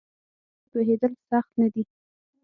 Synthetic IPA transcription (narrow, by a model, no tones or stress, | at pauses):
poɦed̪əlsaxt̪nad̪i